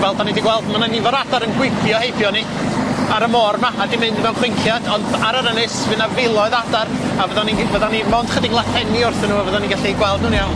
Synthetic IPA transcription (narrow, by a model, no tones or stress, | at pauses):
vɛlˠd̚banidiɡwɛlˠdmananːivɔɾadaɾənɡwɪkʰjɔhejbjɔni | aɾəmɔrmaadimɨndmɛwnχwɪŋkʰjadɔndaɾəɾənɨsvɨnavɪlˠɔɨðadaravəðanivəðanimɔnd̥χədɪɡlˠaθɛniʊrθənuːavəðaniɡaɬiɡwɛlˠdnuːnijawn